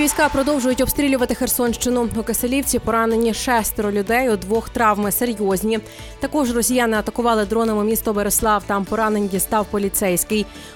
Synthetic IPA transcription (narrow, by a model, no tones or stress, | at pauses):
ʋʲijsʲkɑpɾɔd̪ɔwʒʊjʊtʲɔbst̪ɾʲilʲʊʋɐt̪ɪxe̞rsɔnʃt͡ʃɪnʊʊkeselʲiwt͡sʲipɔɾɑne̞nʲːiʃɛst̪eɾɔlʲʊd̪ɛjʊd̪ʋɔxt̪ɾɑʋmɪseɾʲjɔzʲnʲi | t̪ɐkɔʒrɔsʲijanɪɐt̪ɐkʊʋɑlˠɪd̪ɾɔnemʊmʲist̪ɔbeɾeslˠɑwt̪ɑmpɔɾɑne̞nʲdʲist̪ɑwpɔlʲit̪sɛjsʲkɪj